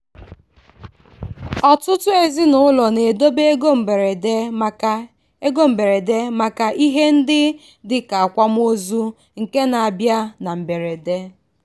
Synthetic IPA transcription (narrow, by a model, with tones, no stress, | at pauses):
ɔ˨tʊ˦tʊ˦e˨zi˦nʊ˦ʊ˦lɔ˨ne˨do˦be˦ɡo˦m̩˨ɾe˨˦˨ | e˦ɡo˦m̩˨be˨ɾe˨de˦ma˦ka˦ʔi˦ɦe˦n̩˦dɪ˦ | dɪ˨ka˨a˨kʷa˦m˦o˦zu˦ | ŋ̩˨ke˦na˨a˨bja˦na˨m̩˨be˨ɾe˨de˦